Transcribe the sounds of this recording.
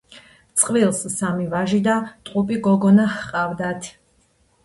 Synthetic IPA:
t̪sʼqʼvilˠsːamivaʒid̪at̪ʼqʼupʼiɡɔɡɔnahqʼavd̪at̪ʰ

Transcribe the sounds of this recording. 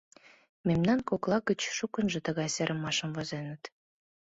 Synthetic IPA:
memnɑnkoklˠɑɣə̆t͡ɕʃukə̆nʒə̆t̪ə̆ɣɑjseɾʔə̆mɑʃə̆mvɑzenə̆t̪

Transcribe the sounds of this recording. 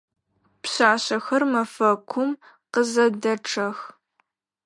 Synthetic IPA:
pɕaːɕɐxɐrmɐfɐkʷʰʊm | qəzɐdɐʈ͡ʂʰɐx

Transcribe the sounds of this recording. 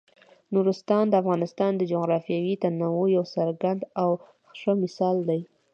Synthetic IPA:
nuɾɪst̪ɑnd̪əafɣɑnɪst̪ɑnd̪əd͡ʒoɣɾɑfjɑwit̪anawojawsaɾɡand̪aw | xʂəmɪsɑld̪aj

